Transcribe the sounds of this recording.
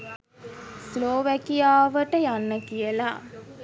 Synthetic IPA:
sloːʋækijaːʋəʈəjanːəkijəla̰

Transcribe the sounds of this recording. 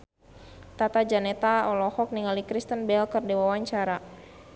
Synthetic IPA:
t̪at̪ad͡ʒanɛt̪aɔlɔhɔk̚niŋalikɾist̪ənbɛlkərdiwawaɲt͡ʃaɾa

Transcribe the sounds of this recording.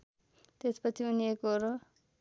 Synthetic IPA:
t̪espʌt͡sʰiunijekoɾo

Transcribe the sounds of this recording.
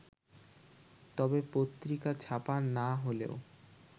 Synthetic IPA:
t̪ɔbepot̪ːɾikat͡ɕʰapanːaɦolḛo̰

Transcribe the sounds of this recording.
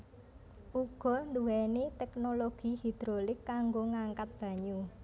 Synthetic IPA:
ʔuɡ̥ɔ̤nd̪uwɛnet̪ɛknoloɡ̥i̤hid̪̥ɾolɪkːaŋɡoŋaŋkat̪̚b̥ä̤ɲu

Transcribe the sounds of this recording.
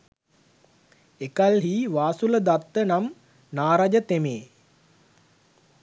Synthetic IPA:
ekalɦiːʋaːsuləd̪at̪ːənam | naːɾad͡ʒət̪emeː

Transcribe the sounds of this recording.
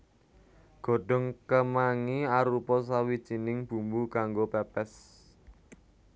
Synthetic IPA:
ɡ̥o̤ɖ̥ɔ̤ŋkəmaŋiaɾupɔs̬awid̥ʒ̥i̤nɪŋb̥ṳmbukaŋɡopɛpɛs

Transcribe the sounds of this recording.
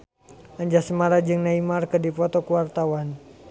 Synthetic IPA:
aɲd͡ʒasəmaɾad͡ʒɨŋnaimarkədipɔt̪ɔkəwart̪awan

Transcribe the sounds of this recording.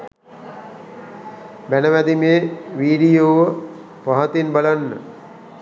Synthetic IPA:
bænəʋæd̪imeːʋiːɖijoːʋə | paɦat̪inbalanːə̰

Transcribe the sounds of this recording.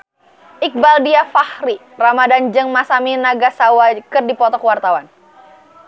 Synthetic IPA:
ʔik̚baldiafahɾi | ramadand͡ʒəŋmasaminaɡasawakɨrdipɔt̪ɔkwart̪awan

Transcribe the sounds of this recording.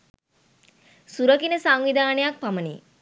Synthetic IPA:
suɾəkinəsaŋʋid̪aːnejak̚pamənḭ

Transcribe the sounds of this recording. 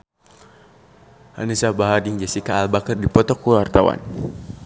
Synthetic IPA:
ha̰nisahbaɦadiŋd͡ʒɛsikaːlbakərdipɔt̪ɔkːulwart̪awa̰n

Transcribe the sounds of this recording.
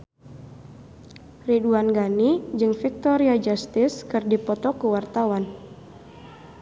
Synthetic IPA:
riduanɡanid͡ʒɨŋfik̚t̪ɔɾiad͡ʒast̪ɪskɨrdipɔt̪ɔkəwart̪awan

